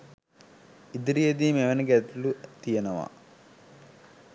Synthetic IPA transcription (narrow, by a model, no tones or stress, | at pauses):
id̪iɾijed̪imeʋɐnɐɡɛt̪lut̪ijɐnɐʋa̰